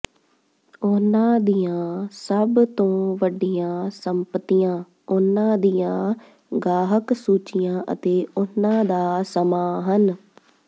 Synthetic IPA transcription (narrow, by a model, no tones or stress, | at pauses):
ʊnãːd̪ijãːsəbt̪õːʋəɖijãːsəmpət̪ijãː | ʊnãːd̪ijãː | ɡaːɦəksuːt͡ʃɪjãːʔə̰t̪eːʊnãːd̪aːsəmaːɦən